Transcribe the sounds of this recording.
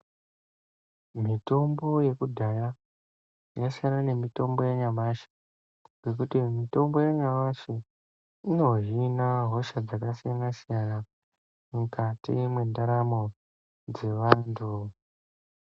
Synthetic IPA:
mito̞mbo̞je̞kudʱaja | jasianane̞mito̞mbo̞jaɲamaʃe̥ | ɡe̞kutimito̞mbo̞jaɲamaʃe | ino̞ʒinaɦo̞ʃad͡zakasijanasijana | mukatḭmwendaɾamo̞ | d͡ze̞ʋaːntʰu

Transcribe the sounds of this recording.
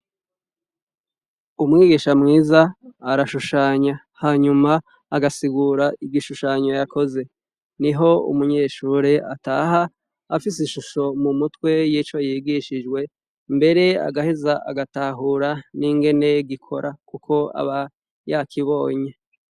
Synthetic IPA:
umŋiːɡiʃamŋiːzaːɾaʃuʃaːɲa | haːɲumaː | ɡasiɡuɾaibɡiʃuʃaːɲo̞jako̞ze̞ | niɦo̞ṵmuɲe̞ʃuːɾe̞ʔataɦaː | fis̬iʃuʃo̞mumutwe̞jiːt͡ʃo̞jiːɡiʃid͡ʒɡwe̞ | mbe̞ɾe̞a̰ɡahizaʔa̰ɡataɦuɾaniŋɡe̞ne̞ɡikʰo̞ɾʔakukʰo̞a̰βa | jakʰiβo̞ːɲe

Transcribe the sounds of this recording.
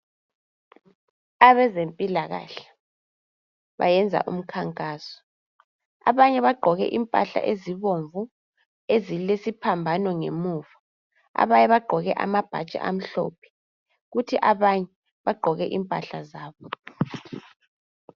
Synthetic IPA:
aβɛzempʼilaɣa̰ɬḁ | βa̰jɛnd͡zʱa̰ʔṵm̩kʰaŋkʼaːsɔ̥ | a̰βaɲɛβaɡ͡ǃʱɔɣɛ̰ʔimpʼa̰ɬa̰ʔeziβoɱvu | ezilesipʰambʱanwɔŋemuːvḁ | a̰βaɲɛβaɡ͡ǃʱɔɣɛʔa̰mab̥ʱa̰t͡ʃʼa̰ʔam̩ɬɔ̰ːpʰɛ̥ | ɣutʰiʔaβaɲɛ | βaɡ͡ǃʱɔɣɛʔimpʼa̰ɬazaːβɔ

